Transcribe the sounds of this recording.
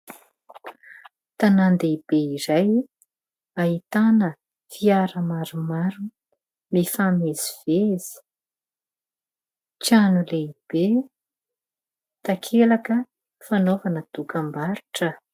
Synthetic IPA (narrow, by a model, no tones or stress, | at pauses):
t̪anand̪eib̥eiɾaj | aɦit̪anə | fiaɾəmaɾumaɾu | mifamez̥iv̥ez̥i̥ | t͡ʃanuleib̥e | t̪akʰelakə | fanovanəd̪ukambaɾiʈ͡ʂə